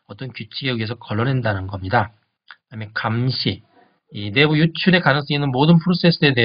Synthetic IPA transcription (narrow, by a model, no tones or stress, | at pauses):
ʌt͈ʌnkjut͡ɕʰiɡewɥiesʰʌkʌɭːʌnɦendanɯnɡʌmɲida | amjʌkamɕʰi | ine̞bujut͡ɕʰuɾe̞kanɯŋs͈ʌŋinːɯnmodɯnpʰɯɾos͈e̞s͈ɯede̞